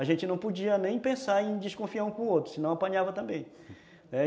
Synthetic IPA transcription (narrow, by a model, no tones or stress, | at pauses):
aʒẽnt͡ʃɪnɐ̃w̃pud͡ʒiɐnẽj̃pẽsaɾẽj̃d͡ʒiskõfiɐ̃ũkõowt̪ɾʊsɪnɐ̃w̃apɐ̃ɲavɐt̪ɐ̃mbẽj̪̃ | ɛ